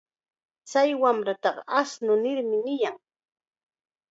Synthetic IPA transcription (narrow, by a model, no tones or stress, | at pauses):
t͡sajwamɾat̪ɑɢɑʔasnʊnɪɾmɪnɪjaŋ